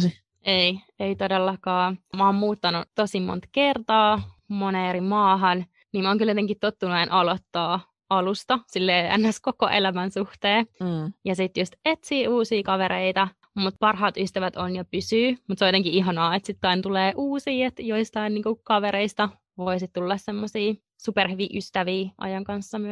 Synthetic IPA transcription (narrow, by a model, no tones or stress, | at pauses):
i | ei | eit̪odelːɑkɑːmoːmmuːt̪ːɑnut̪osimo̰nt̪kert̪ɑːmoneːeɾimɑːɦɑn | niːmoːŋkyljot̪eŋkit̪t̪ot̪ːunuenʔɑlot̪ːɑː | ɑlust̪ɑsilːeːæ̰nːæskoko̰ʔelæmænsuht̪eːjɑsit̪jost̪et̪siːuːsiːkɑʋeɾeit̪ɑ | mut̪̚pɑrɦɑːt̪yst̪æʋæt̪onjɑpysyːmut̪seõjoeŋkiiɦɑnɑːet̪sit̪kɑint̪uleːʔuːsiːet̪joist̪ɑinniːŋkukɑʋeɾeist̪ɑ | ʋoisit̪t̪ulːɑssemːosiː | superhyʋiʔyst̪æʋiːʔɑ̰jɑŋkɑnsːɑmy